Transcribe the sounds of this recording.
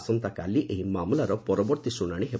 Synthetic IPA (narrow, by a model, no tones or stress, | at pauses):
sɔnt̪akaliʔeɦimamulaɾɔpɔɾɔbɔɾt̪isuɽ̃aɽ̃iɦe